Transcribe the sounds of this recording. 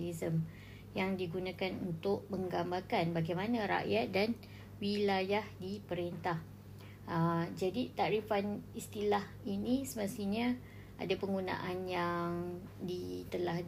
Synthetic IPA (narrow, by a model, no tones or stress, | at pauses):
lizəm | jaŋdiɡunãkanṵnt̪ʊʔ̚məŋɡambakanbaɡajmanãɾa̰ʔjat̪̚dan | wilajahdipəɾent̪ah | əd͡ʒadit̪aʔɾifanist̪ilah | inĩsəmast̪iɲã | ʔa̰dapəŋɡunã̰ʔanjaŋ | dit̪əlah